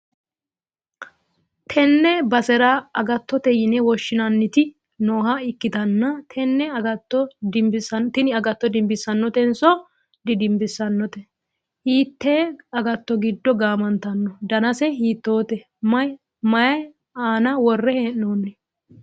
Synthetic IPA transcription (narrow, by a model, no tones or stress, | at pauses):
t̪ʰɛnːɛbɐsɛɾɐɐɡɐt̪ːɔt̪ɛjɪnɛwɔʃːɪnɐnːɪt̪ɪ | noːɦɐɪkːɪt̪ɐnːɐt̪ʰɛnːɛɐɡɐt̪ːɔd̪ɪmbɪsɐnt̪ɪnɪɐɡɐt̪ːɔd̪ɪmbɪsːɐnːɔt̪ɛnsɔ | d̪ɪd̪ɪmbɪsːɐnːɔt̪ɛ | hiːt̪ːeɐɡɐt̪ːɔɡɪd̪ːɔɡaːmɐnt̪ɐnːɔd̪ɐnɐsɛhiːt̪ːoːt̪ɛ | mɐj | mɐjɐj | aːnɐwɔrːɛheʔnoːnːɛ